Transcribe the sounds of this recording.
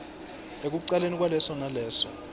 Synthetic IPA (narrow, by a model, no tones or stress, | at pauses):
ek̬uǀalenik̬ʼwalɛsɔnalɛːsɔ